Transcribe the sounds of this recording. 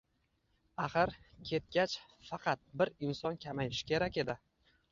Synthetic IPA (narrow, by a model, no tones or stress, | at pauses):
ɑχɨɾkʲʰe̞t̪̚ɡʲat͡ʃfɑqʰɑt̪̚bɪɾɪnsɒnkʲʰamajɪʃɪ̥kʲʰe̞ɾakʲe̞d̪ɪ